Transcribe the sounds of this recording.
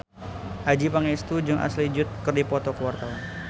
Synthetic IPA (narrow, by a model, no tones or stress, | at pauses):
ʔad͡ʒipaŋɛst̪ud͡ʒɨŋʔa̰slid͡ʒʊt̪̚kərdipɔt̪ɔkəwart̪awan